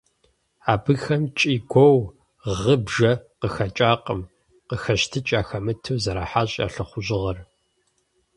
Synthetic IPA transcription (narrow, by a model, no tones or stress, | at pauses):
aːbɨxɐmt͡ʃʼiːɡʷɔw | ʁəbʒɐqəxɐt͡ʃʼaːqʼəm | qəxɐɕtʰɨt͡ʃʼaːxɐmɨtʰɨwzɐɾaːħaːɕʼa̰ːɬɨχʷʊʑɪʁɐr